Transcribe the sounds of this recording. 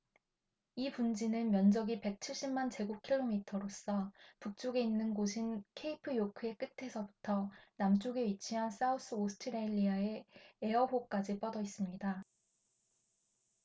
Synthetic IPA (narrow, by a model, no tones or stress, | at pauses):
ipund͡ʑinɯnmjʌnd͡ʑʌɡipe̞k̚t͡ɕʰiɭɕ͈immant͡ɕe̞ɡukʰiɭːomitʰʌɾos͈ʌpuk̚t͡ɕ͈oɡe̞inːɯnɡoɕʰinkʰe̞ipʰɯjokʰɯe̞k͈ɯtʰe̞sʰʌbutʰʌnamt͡ɕ͈oɡe̞ɥit͡ɕʰiɦans͈aus͈ɯosʰɯ̥tʰɯɾeʎːiae̞e̞ʌbok͈ad͡ʑip͈ʌdʌis͈ɯmɲida